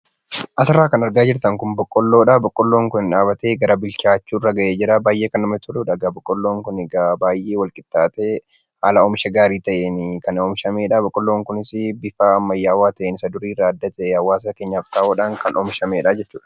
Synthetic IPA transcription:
ʔɐsɪrːaːkɐnɐɾɡaːd͡ʒɪɾt̪ɐŋkʊmbɔkʼːɔlːoːᶑaːbɔkʼːɔlːo̞ːŋkʊnɪᶑaːbɐt̪eːɡɐɾɐbɪlt͡ʃaːt͡ʃːuːɪrːɐɡɐʔeːd͡ʒɪɾabaːjʔeːkɐnːɐmɐt̪ʰʊluːᶑɐɡabɔkʼːɔlːoːŋkʊnɪɡabaːjʔeːwɐlkʼɪt̪ːaːt̪e | haːlɐoːmɪʃɐɡaːɾiːt̪ɐʔeːnɪkɐnɔːmɪʃɐmeːᶑabɔkʼːɔlːoːŋkʊnɪsbɪfaːmːɐjːaːwaːt̪ɐʔenɪsɐd̪ʊɾiːraːɐd̪ːɐt̪ɛʔeɐwːaːskeːɲːaft̪aːoːᶑaːŋkɐnʔɔːmɪʃɐmeːᶑaːd͡ʒɛt͡ʃːuːᶑɐ̥

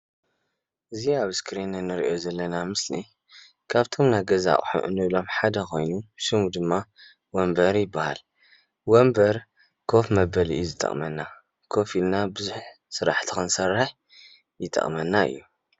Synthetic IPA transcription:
ʔɨziaβɨskɾinɨnɨɾḭʔo̞zɐlːɐnamɨslḭ | kʰaβt̪ʰo̞mnajɡɐza̰ʔʼħṵʔɨ̰nːɨβlo̞mħad̪ɐkʰo̞̰jnuʃɨmud̪ɨmːa | wɐmbɐɾjɪbːaha̰l | wombɐɾ | kʰofmɐbɐliʔjuzɨt̪ʼːɐ̰χʼmɐnːa | kʰo̞filnabɨzuħ | sɨɾa̰ħt̪ʰi̥kɨnsɐrːɨħ | jɪt̪ʼɐ̰χʼmɐnːaɨ̰jːu

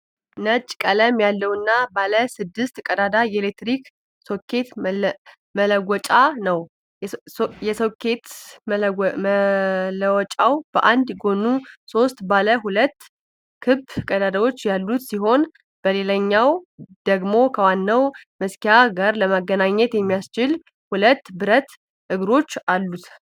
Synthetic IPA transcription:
nət͡ʃʼkʼələmjalːəwɨnːabaləsɨd̪ːɨst̪kʼəd̪ad̪ajɛlek̚t̪ɾik | sokʰːe̞t̪ | mələɡʷɔt͡ʃʼanəw | jɛsokʰe̞t̪ | ləwɔt͡ʃʼawb̥əʔand̪jɡo̞nːuso̞st̪baləɦulət̪ː | kʰɨbkʼəd̪ad̪əwo̞t͡ʃːjalːut̪siɦo̞n | b̥əle̞ləɲːawd̪̥əɡmo̞kʰəwanːəwməskijaɡaɾləmaɡːənaɲːɛt̪jɛmːijast͡ʃɪl | hulət̪ːbɨɾət̪ | ʔɨɡɾo̞t͡ʃːalːut̪

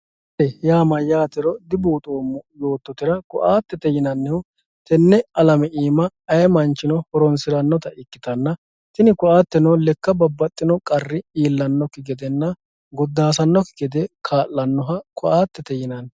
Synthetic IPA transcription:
ɛjaːmɐjaːt̪ɪɾɔd̪ɪbuːt̪ʼoːmːʊjo̞ːt̪ːɔt̪ɪɾɐkɔʔaːt̪ːɛt̪ɛjɪnɐnːɛʊ | t̪ɛnːɛɐlɐmɛʔiːmɐːjɛmɐnt͡ʃːɪnɔhɔɾɔnsɪɾɐnːɔt̪ɐʔɪkːɪt̪ɐnːɐ | t̪ɪnɪkʊaːt̪ːɛnɔlɛkːɐbɐbːɐt̪ʼːɪnɔkʼɐrːɪiːlːɐnːɔkːɪɡɛd̪ɛnːɐ | ɡɔd̪ːaːs̬ɐnːɔkːɪɡɛd̪ɛkʰaːlːɐnːɔɦɐkʰɔʔaːt̪ːɛt̪ɛjɪnɐn

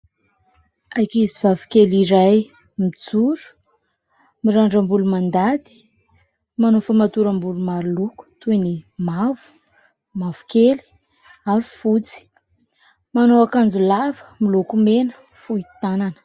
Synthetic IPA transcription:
ajkizivavi̥keliɾaj | mid͡zuɾu̥ | miɾaɳɖ͡ʐəmbulumand̪ad̪i̥ | manofamat̪uɾambulumaɾuluku̥t̪uinimavu̥ | mavu̥keli̥ | aɾufut͡si̥ | manoakand͡zulavə̥milukumenə̥ | fuit̪ananə̥

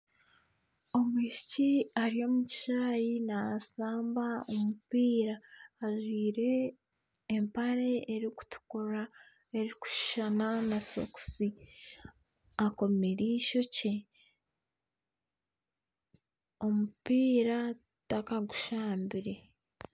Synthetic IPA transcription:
o̞mwiːʃi̥ciaɾijo̞ːmuci̥ʃaːjinaasaːmbaomupiːɾaːʒwiːɾe̞ː | mpaɾe̞eɾiku̥tu̥kuɾa | eɾiku̥ʃi̥ʃananaso̰ku̥si | ako̞meɾiʃo̞ce | o̞mupiːɾa | takaɡu̥ʃaːmbiɾe̞

